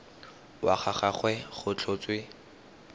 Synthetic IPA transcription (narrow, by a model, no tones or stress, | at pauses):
wa̰χaχaχwɛχʊt͡ɬʰʊt͡swɪ